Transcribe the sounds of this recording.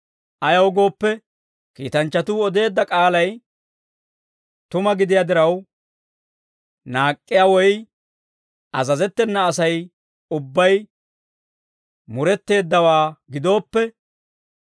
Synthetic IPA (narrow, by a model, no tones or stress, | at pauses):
ʔɐjɐwɡo̞ːpːɛ | kḭːt̪ɐnt͡ʃːɐt̪uːɔd̪e̞ːd̪ːɐkʼaːlɐj | t̪ʊmɐɡɪd̪ɪjad̪ɪɾɐw | naːkʼːɪjawɔj | ʔɐzɐzɛt̪ːɛnːɐːsɐj | ʊbːɐj | mʊɾɛt̪ːe̞ːd̪ːɐwaːɡɪd̪o̞ːpːɛ